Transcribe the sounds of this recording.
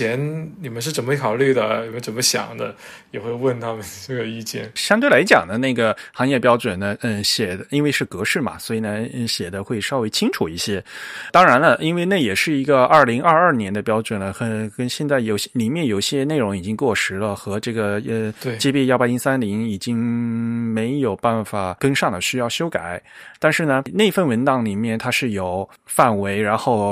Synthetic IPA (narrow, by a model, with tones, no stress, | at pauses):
jɛ˧˥nni˨˩mə˦nʂ̬ɻ̩˥˩ʈ͡ʂə˨˩nmə˦˥kʰɑ˨˩ʊly˥˩d̪ə˩ni˨˩mə˦nʈ͡ʂə˨˩nmə˦ɕjɑ̰˨˩ŋd̪ə̰˦ | jɛ˨˩xwe˥˧ɪwə˥˩nt̪ʰa˥mə˨nʈ͡ʂɤ˥˩ɡə˩i˥˧t͡ɕjɛ̰˥˩nɕjɑ˥ŋt̪we˥˩ɪla˧˥ɪt͡ɕjɑ̰˨˩ŋd̪ə˦na˥˩ɡə˩xɑ˧˥ŋjɛ˥˩pjɑ˥ʊʈ͡ʂwə˨˩nːə˦˥˩ɕjɛ˨˩d̪ə˦i˥nwe˥˧ɪʂɻ̩˥˩kɤ˧˥ʂɻ̩˥˩mɐ̰˩swɔ˧˥i˨˩nə˦˥˩ɕjɛ˨˩d̪ə˦xwe˥˩ɪʂɑ˥ʊwe˥ɪt͡ɕʰi˥ŋʈ͡ʂʰu˨˩i˥˩ɕjɛ˥t̪ɑ˥ŋɻa˧˥nlə˧ʔi˥nwe˥˧na˥˩jɛ˨˩ʂɻ̩˥˩i˧˥ɡə˧ɐ˞˥˩li˧˥ŋʔɐ˞˥˧ɐ˥˩njɛ˧˥nd̪ə˧pjɑ˥ʊʈ͡ʂwə˨˩nə˦xə˧˥kə˥nɕjɛ˥˧nt͡sa˥˩ɪjo˨˩ʊɕli˨˩mjɛ˥˩njo˨˩ʊɕjɛ˥ne˥˩ɪɻʊ˧˥ŋi˨˩t͡ɕi˥ŋkwɔ˥˩ʂɻ̩˧˥lə˨xɤ˧˥ʈ͡ʂɤ˥˩ɡə˩ə˧t͡ɕjɛ˥pjɛ˥˧jɑ˥˧pa˥˧i˥nsa˥nli˧˥ŋi˨˩t͡ɕi˥ŋme˧˥ɪjo˨˩ʊpa˥˩nfa˨˩kə˥ŋʂɑ˥˩ŋd̪ə˨˩ɕy˥jɑ˥˩ʊɕjo˥ʊka˨˩˦ɪt̪a˥˧nʂɻ̩˥˩nə˩ne˥˧ɪfə˥˩nwə˧˥nt̪ɑ˧˥ŋli˨˩mjɛ˥˩nt̪ʰa˥ʂɻ̩˥˩jo˨˩ʊ | fa˥˩nwe˧˥ɪɻa˧˥nxo˥˩˧ʊ